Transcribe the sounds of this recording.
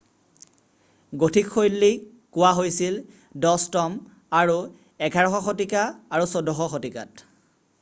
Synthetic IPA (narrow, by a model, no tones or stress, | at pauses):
ɡotʰikʰːojlːi | kʊwaɦojsil | dɔstɔm | aɹu | ɛɡʰʱaɹɔxɔxotikaːɹusɔdʱɔxɔxotika̰t